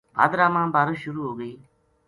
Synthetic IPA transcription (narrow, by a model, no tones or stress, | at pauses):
ba̰ːd̪ɾaːmãːbaːɾəʃʊɾuːɦoːɡəiː